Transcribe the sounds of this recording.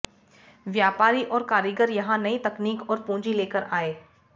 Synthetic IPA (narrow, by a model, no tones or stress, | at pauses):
ʋjaːpaːɾiʔɔːɾkaːɾjəɡəɾjɐɦãnɐit̪ɐkniːkɔːɾpũːɲd͡ʒileːkəɾaːeː